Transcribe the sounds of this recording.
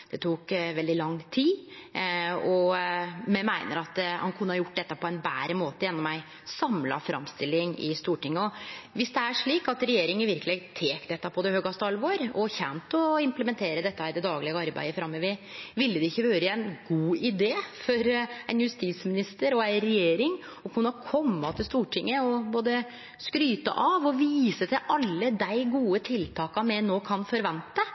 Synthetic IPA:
d̪̥ɛt̪ʰuːkʋɛld̪ɪlɑŋt̪ʰiː | ɔ | mɛmæɪnə̰ɾɑt̪hɑ̰nkʰʉnːəhɑjʊʈːd̪ɛt̪ːɑpʰɔɛnbæːɾəmoːt̪əjɛnːɔmːæɪ | sɑmlɑ̰fɾɑ̰mst̪ɪlːɪŋɪ̰st̪uːʈɪŋːəɔʋɪsd̪ɛæʂɭiːkɑt̪ɾɛjeːɾɪŋəɪʋɪɾkəleːɡt̪ʰeːkd̪ɛt̪ːɑpʰɔd̪ɛhøːɡɑst̪əɑlʋoːɾɔçɛnt̪ɔɪmpləmɛnt̪ʰeːɾəd̪ɛt̪ːəhæɾd̪ɛd̪ɑːɡlɛɡəɑɾbæ̰ɪəfɾɑmːɛʋɪʋɪlːəd̪ɛɪçːəʋøːɾəæɪnɡuːɪd̪eːfɔɾæɪnjʉst̪iːsmɪnɪst̪əɾɔæɪɾɛjeːɾɪŋ | ɔkʰʉnːɑkʰɔmːɑt̪ʰɪlst̪uːʈʰɪŋːəɔboːd̪ə | skɾyːt̪ə̰ʔɑʋɔʋiːsət̪ʰɪlʔɑlːəd̪æɪɡuːət̪ʰɪlt̪ʰɑːkɑmɛnoːkʰɑnfɔɾʋɛnt̪ə

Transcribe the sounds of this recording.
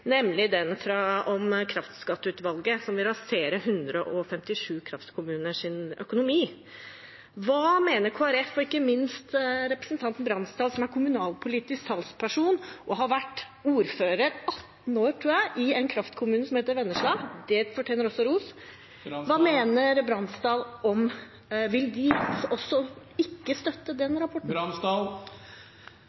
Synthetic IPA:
nɛmlɪd̪ɛnfɾɑɔmkʰɾɑft̪skɑt̪ːʉːt̪ʋɑlɡəsɔmʋɪlɾɑseːɾəɦʉnd̪ɾəʔɔfɛmt̪ɪʂʉːkʰɾɑft̪kʰʊmʉːnəʂɪnœ̰kʊnʊmiː | ʋɑːmeːnəɾkʰoːæɾɛfɔɪkːəmɪnst̪ɾɛpɾəsənt̪ʰɑnt̪n̩bɾɑnst̪ɑːd̪sɔmæɾkʰʊmʉnɑːlpʰʊliːt̪ɪskhɑlspʰæʂuːnʔɔɦɑɾʋæʈː | uːɾføːɾəɾɑt̪n̩oːɾt̪ʰɾuːjæɪʔɪɛɪnkʰɾɑft̪kʰʊmʉːnəsɔmheːt̪əɾʋɛnːəʂɭɑːɡd̪̥ɛfɔʈʰeːnəɾɔsːɔɾuːs | ʋɑːmeːnəɾbɾɑnsd̪ɑːlɔm | ʋɪld̪ɪɔsːɔ | ɪkːəst̪œt̪ːəd̪ɛnɾɑpʰɔʈɳs

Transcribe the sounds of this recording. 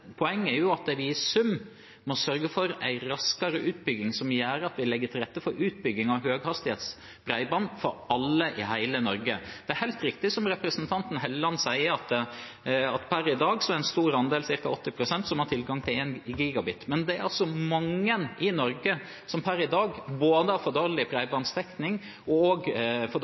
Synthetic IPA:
pʰɔɛŋːɛɾjʊɑt̪̚d̪ɛʋɪsʉm | mɔsœɾɡəfɔɾæ̰ɪɾɑskɑɾəʔʉːt̪bʏɡːɪŋsɔmjæːɾɑt̪ʋɪlɛɡːətʰɪlɾɛt̪ːəfɔɾʔʉːt̪̚bʏɡːɪŋɑʋhøːɡhɑst̪ɪheːt̪s | bɾæɪbɑnfɔɾɑlːəʔɪhæɪlənɔɾɡəd̪̥ɛæɾhæɪlt̪ɾɪkt̪ɪsɔmɾɛpɾəsənt̪ʰɑnt̪n̩ɦɛlːlɑnsæɪəɾɑt̪ | ɑt̪pʰæɾɪd̪ɑːɡsɔæɾɛnst̪uːɾɑnd̪eːlsɪɾkɑɔt̪ːɪpʰɾʊsɛnt̪sɔmhɑʈ̪ʰɪlɡɑŋt̪ʰɪleːnɡiːɡɑbɪt̪mɛnd̪ɛæɾɑlsɔmɑŋːənɪnɔɾɡə | sɔmpʰæɾɪd̪ɑːɡboːd̪əhɑfɔd̪oːɾlɪpʰɾæɪbɑnst̪ʰɛknɪŋ | ɔoɡfɔ

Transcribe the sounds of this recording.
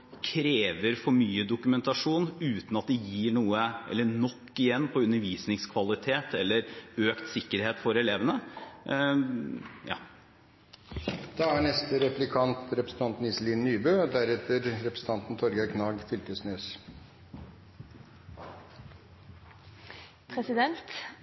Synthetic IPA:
kʰɾeːʋəɾfɔɾmyːəd̪ʊkʉmɛnt̪ɑʂuːnʉːt̪nɑt̪̚d̪ɛjiːɳuːəʔɛ̰lːənɔkːɪjɛnːpʰɔʉnːəɾʋiːsnɪŋskʰʋɑlɪt̪ʰeːt̪ʰɛlːəɾøːkt̪sɪkːəɾheːt̪fɔɾɛleːʋənə | jɑ̰ː | d̪̥ɑːæɳɛst̪əɾɛplɪkʰɑnt̪ɾɛpɾəsn̩t̪ɑnt̪n̩ɪsliːnnyːbøːd̪æɾɛt̪əɾɾɛpɾəs̩t̪ʰɑnt̪n̩t̪ʰɔɾɡɑkʰnɑːɡfʏlt̪əsnøːs | pʰɾɛsɪd̪ɛnt̪

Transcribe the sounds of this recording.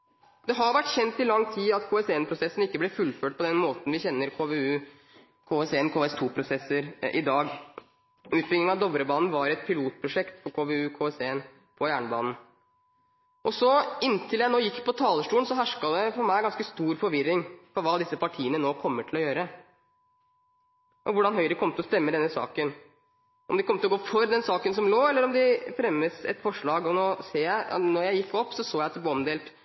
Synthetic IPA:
d̪̥ɛɦɑɾʋæʈːçɛnt̪ɪlɑŋt̪ʰiːɑt̪kʰoːɛseːɛnpʰɾʊsɛsːn̩ɪkːəblɛfʉlːføːʈ̚pɔd̪ɛnmoːt̪n̩ʋɪçɛnːəɾkʰoːʋeʉ | kʰoːɛseːɛnkʰoːɛst̪ʰuːpʰɾʊsɛsəɾʔɪ̰d̪ɑːɡ | ʉːt̪̚bɾɪŋɪŋɑd̪ɔʋɾəbɑːnn̩ʋɑɾɛt̪pʰɪluːt̪̚pʰɾʊʂɛkt̪fɔɾkʰoːʋeʉːkʰoːɛseːɛn | pʰɔjæːɳəbɑ̰ːnn̩ | ʔɔsɔɪnːt̪ʰɪljæɪnoːjɪkːpʰɔt̪ʰɑːləʂʈuːənsɔɦæʂkɑd̪ɛfɔɾmæɪɡɑnskəst̪uːɾfɔɾʋɪɾːɪŋfɔɾʋɑːd̪ɪsəpɑʈʰiːənənoːkʰɔmːəʈʰɪlɔjøːɾə | ʔɔʋʊɖɑnɦœʏɾəkʰɔmːt̪əlɔst̪ɛmːəd̪ɛnːəsɑ̰ːkən | ʔɔmd̪ɛkɔmːt̪lɔɡoːfɔɾd̪ɛnsɑːkənsɔmloːɛlːəɾɔmd̪ɪfɾɛmːəsɛ̰t̪fɔʂɭɑːɡɔnoːseːjæɪnɔɾjæɪjɪkːɔpːsɔsoːjæɪɑt̪d̪blɛɔmd̪eːlt̪

